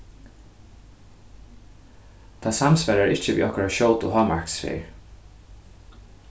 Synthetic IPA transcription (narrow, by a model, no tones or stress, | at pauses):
t̪ʰasamspɛɾaɹɪht͡ʃəʋḭːʔɔhkɹaʃoːwt̪ʊɦɑːmaɹksfḛːɹ